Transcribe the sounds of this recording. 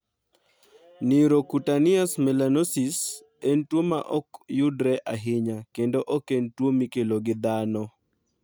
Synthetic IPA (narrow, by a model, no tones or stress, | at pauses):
niɾokutanɪasmɛlanosis | entwoma̰ʔɔkjʊdɾɛʔaɦɪɲakendoʔokentwomikeloɡɪd̪anɔ